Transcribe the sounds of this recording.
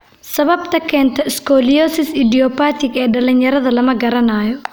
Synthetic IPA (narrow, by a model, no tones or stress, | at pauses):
sɐβɐbt̪ʰɐkʰɛːnt̪ʰɐɪskʰɔlijɔːsɪsɪd̪ijɔpaːt̪ʰɪɡɛːɖɐlɪnjɐɾɐðɐlɐmɐɡɐɾɐnaːjɔ